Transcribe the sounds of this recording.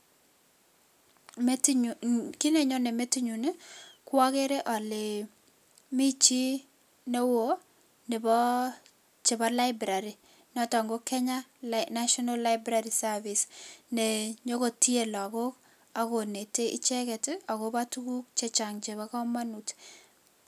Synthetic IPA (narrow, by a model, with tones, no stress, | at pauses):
mt | ki˦nɛ˨ɲɔ˦nɛ˨me˦ti˦ɲu˨nɛ˦kwa˦ke˦ɾɛ˦ʔa˨le˨ | mi˦t͡ʃi˦ | ne˦wo˦ | nɛ˨bɔ˦ | t͡ʃe˨ba˦la˦ɪbɾa˨ɾi˨ | nɔ˦tɔ˨ŋɡo˦kɛ˦ɲa˦lna˦ʃɔ˦nalːa˦ɪbɾaɾi˨sa˦visnɛɲo˦ko˨ti˦e˨lɔ˨ko˦k | a˨ko˨ne˨te˦ʔɪ̰˦t͡ʃɛ˦kɛ˨ta˨koba˦tu˦ku˦k̚t͡ʃɛ˦t͡ʃa˨ŋt͡ʃe˨βakɔ˦ma˦nu˨t